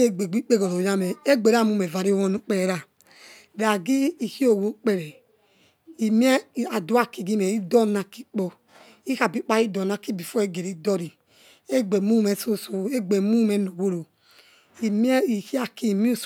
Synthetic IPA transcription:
e˦ɡ͡be˨ɡ͡bi˦k͡pe˦ɡo˨ɾo˨ja˦mɛ˨e˦ɡ͡be˨ɾa˦˨mu˦mɛ˨va˨ɾi˦wɔ˦nu˦k͡pɛ˦ɛ˨ɾa˨ | ɾa˨ɡi˦i˨hi˦o˨wo˦k͡pɛ˨ɾɛ˨ | i˨m˦ɛ˦˨a˨du˨˦a˦˨ki˨ɡi˦mɛ˨i˦dɔ˦˨na˨ki˦k͡pɔ˧ | i˦ha˨bi˦k͡pa˦i˦dɔ˨na˨ki˦bi˨fɔ˦e˦ɡe˨ɾi˨˦dɔ˦ɾi˨ | e˦ɡ͡be˨mu˦mɛ˨so˦˨so˨e˦ɡ͡be˨mu˦mɛ˨˦no˨wo˦ɾo˨ | i˨m˦i˨hi˦a˦ki˦˨mi˦u˦s

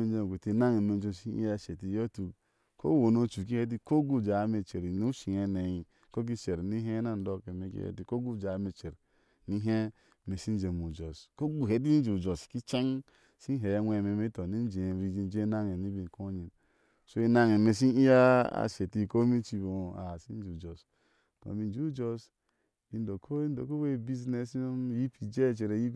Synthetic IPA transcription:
e˦d͡ʒe˦˨ɡu˨ti˨˦na˦ŋe˨me˨˦d͡ʒo˦˨si˦ḭ˦a˦˨ʃe˨ti˨jo˦tu˨ | ko̰˦wo˨no˦t͡ʃu˨k̬i˦he˦t̬i˦ko˦ɡu˦˨d͡ʒa˨˦me˨t͡ʃe˨ɾnu˦ʃi˨e˨ne˨ji˨ | ko˦k̬i˦t͡ʃe˨ɾni˦ɦe˦na˦n̩˨˦do˦ke˨me˨kḭ˦hḛ˦ti˦ko˦ɡu˦˨d͡ʒa˨˦me˨t͡ʃe˨ɾ | ni˦ɦe˦˨ | me˨si˦n˦d͡ʒe˨mu˨d͡ʒo˨sko˦ɡu˨ɦe˨t̬i˦d͡ʒi˨u˨d͡ʒo˨ski˦t͡ʃe˦ŋ | si˦ɦe˨˦nʷe˨me˨me˦to˨ni˦n˦d͡ʒe˨ɾi˦d͡ʒi˦n˦d͡ʒe˦na˦ŋe˨ni˦bi˨ko˦ɲi˨n | so˦e˦na˦ŋe˨me˨s̬i˦i˦ja˦a̰˨se˨ti˦˨ko˦mi˦t͡ʃi˦bo˨a˨si˦n˦d͡ʒu˨d͡ʒo˨s | ko̰˨bi˨˦d͡ʒu˦d͡ʒo˨s | bi˨n˦do˨kʰo˦i˦ndo˨ko˦we˦˨bi˦zne˨so˦mji˦pi˨d͡ʒe˦˨t͡ʃe˨ɾe˨ji˦

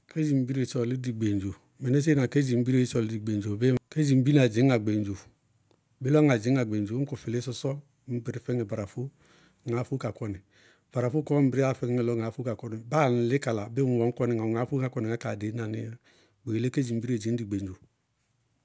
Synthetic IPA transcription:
ke˦d͡ʒi˨m˦bi˦ɾe˨t͡ʃɔ˨li˦di˨ɡ͡be˨n˨d͡ʒo˨ | mɛ˨ne˦s̬e˦na˨ke˦d͡ʒi˨m˦bi˦ɾe˦t͡ʃɔ˨li˦di˨ɡ͡be˨n˨d͡ʒo˨be˦ke˦d͡ʒi˨m˦bi˦n˦a˨d͡ʒi˨˦ŋa˨ɡ͡be˨n˨d͡ʒo˨ | be˦lɔ˦ŋa˨d͡ʒi˨˦ŋa˨ɡ͡be˨d͡ʒo˨˦ku˨fi˨le˦sɔ˦sɔ˦ | m˦bi˨ɾi˦fɛ˦ŋe˨ba˨ɾa˨fu˦ | ŋa˨˦fu˦ka˨kɔ˨ni˨ | b̥a˨ɾa˨fu˦kɔ˦m̩˦bi˨ɾi˦a˦˨fɛ˦e˨lɔ˦ŋa˨˦fu˦ka˨kɔ˦ni˨ba˦˨n˨lɪ˦ka˨la˨be˦n˨wɔ˨˦ŋ˦kɔ˦ni˨ŋa˨ŋa˨˦fu˦a˨˦kɔ˦˨ni˨a˨˦ka˨de˨˦na˨ni˦a˦ | ɡ͡be˨le˦ke˦d͡ʒi˨m˦bi˦ɾe˦˨d͡ʒi˨n˦di˨ɡ͡be˨nd͡ʒo˨

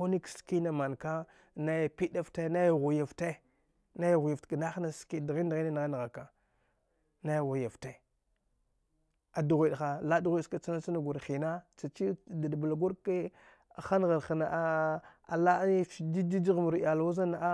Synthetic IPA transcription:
o˦ni˦kski˦na˨ma˨nka˦ | na˦ja˨pi˦da˦fta˦na˦ja˨ɣu˨ja˨fte˦ | na˦ja˨ɣu˨ja˨tka˨na˦xna˦ski˦dɣi˦n˦dɣi˦ni˦na˨ɣa˦n˨ɣa˨ka˨ | na˦ja˨ɣu˨ja˨fte˨ | a˨du˨ɣʷi˨ɗxa˨la˦du˨ɣʷi˦ska˨t͡sa˦na˦t͡sa˦na˨ɡʷu˨ɾxi˨na˦t͡sa˨t͡ʃi˦da˨dba˨la˨ɡu˦ɾke˦˨ | xa˦n˨ɣa˨ɾxa˨na˨ʔa˦a̰˨la˦fi˨di˦di˦d͡ʒi˦ɣmu˨ɾja˨la˨wa˦za˦na˨a˦

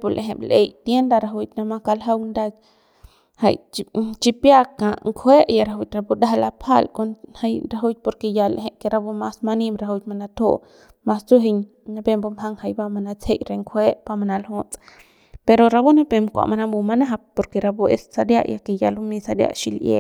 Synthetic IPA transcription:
po˧lʔe˨ɦe˨ble˧jt̪je˦nd̪a˧ɾa˧ɦu˧jt̪na˧ma˦ka˧lɦa˦wnd̪a˦ | ha̰˧jt͡ʃt͡ʃipja˦ka˨ʔŋkʰʷwe˦ʔja˧ɾa˧ɦu˧jt̪ɾa˧bu˧d̪a˦ɦa˧la˧pʰa˦lkonha˧jɾa˧ɦu˦jt̪̚po˧ɾke˧ja˧leɦe˧ke˧ɾa˧bu˧ma˧sma˧nimɾa˧ɦu˧wt̪ma˧na˧t̪o̰˦ʔ | ma˧st͡su˦ɦe˧ɲ | na˧be˧mbo˧ma˧ŋha˧jba˧ma˧na˧t͡she˦˧jɾe˧ŋkʰwʷe˦ʔpa˧ma˧na˧lɦot͡sʼ | pe˧ɾo˧ɾa˧bu˦na˦pe˧mkʷa̰˨ʔma˧na˧mbu˧ma˧na˦ɦa˧po˧ɾke˧ɾa˧bu˧ḛ˧ssa˧d̪ja̰˦ʔja̰˧keja˧lu˧mi˧sa˧d̪ja̰˦ʔʃi˧ljḛ

